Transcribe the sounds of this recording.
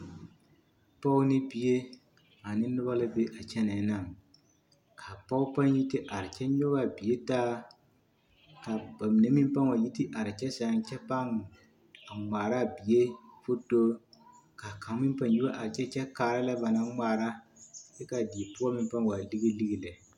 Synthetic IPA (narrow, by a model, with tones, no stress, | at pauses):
pɔ˦ʊ˦nɪ˦bi˨je˦ | a˨nɪ˦nʊ˦ba˦lɨ˦be˦ʔa˨t͡ʃɛ˦na˨˦na˦˨ŋ | kʰa˨pa˦ʊ˦pa˦nji˦ti˦ʔa˨ɾɪ˨t͡ʃɛ˦ɲʊ˦ba˨bi˨je˦taː˦ | ka˨ba˨mi˨ne˦mi˦mpa˦ŋwa˨ji˦ti˦ʔa˨ɾɪ˨t͡ʃɛ˦sa˨ŋ˦t͡ʃɛ˦pa˦ŋ˨ | a˨ŋ͡mʷaː˨ɾa˦˨bi˨je˦fo˦to˦ | ka˨ka˨ŋ˦mi˦m˦pa˨nji˦a˦ʔa˨ɾt͡ʃɛ˦t͡ʃɛ˦kaː˨ɾa˦la˦ba˨na˦maː˦ɾa˦ | bɛ˦ka˨di˨pʊ˦a˦mi˦m˦pa˦ŋwa˨li˦ɡi˦li˦ɡi˨lɛ˨